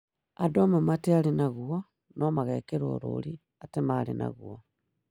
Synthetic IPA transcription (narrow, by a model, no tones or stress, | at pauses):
adomematealenaɣuo | nomaɣekeɾwo̰ɾo̰ɾi | atemalḛna̰ɣuo